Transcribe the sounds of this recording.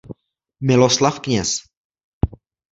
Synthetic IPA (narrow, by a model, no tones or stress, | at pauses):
mɪloslafkɲɛs